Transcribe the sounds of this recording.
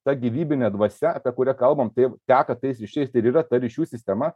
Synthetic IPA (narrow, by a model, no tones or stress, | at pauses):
t̪ɐɡʲiːʋʲiːbʲɪnʲɛːd̪ʋɐsʲɛɐpʲiɛkʊɾʲɛkɐlˠbɐmt̪ɐɪt̪ʲæːkɐt̪ɐɪsɾʲɪʃʲɛɪst̪ɐɪɾiːɾɐt̪ɐɾʲiʃʲuːsʲɪsʲt̪ʲɛmɐ